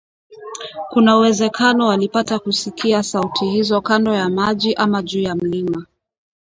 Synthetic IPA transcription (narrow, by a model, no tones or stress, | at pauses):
kunauwɛzɛkʰanɔwalipatakusikiasautʰihizɔkandɔjamaʄiʔamaʄuːjam̩lima